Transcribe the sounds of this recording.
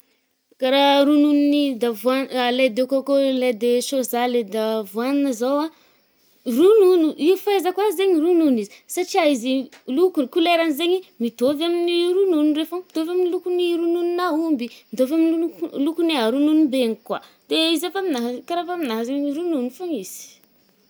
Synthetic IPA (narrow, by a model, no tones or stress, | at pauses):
kaɾaɾununinid̪avuanled̪ekakoled̪eʃozaled̪avuaninəzawa | rununuifajzəkwazeɲiɾununizisaʈ͡ʂiaizilukukuleɾanizeɲimit̪ovaminiɾununrefamit̪ovaminilukuniɾununinaumbimid̪ovaminlukuniaɾununubeŋikwa | d̪̥eizafaminaɦkaɾafaminaɦəzeɲiɾununifaŋiz̥i̥